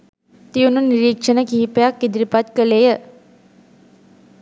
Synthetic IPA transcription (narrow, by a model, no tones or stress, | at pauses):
t̪iununiɾikʂənəkiːpjakːid̪ɾipat̪kəlejə